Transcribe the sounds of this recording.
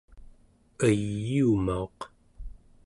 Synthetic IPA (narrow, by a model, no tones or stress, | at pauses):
əjjiumaoq